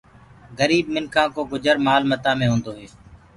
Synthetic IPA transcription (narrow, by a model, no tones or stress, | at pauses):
ɡəɾiːb̚mɪnkʰãːkoːɡʊd͡ʒəɾmaːlmət̪ãːmẽːɦõːnd̪oːɦeː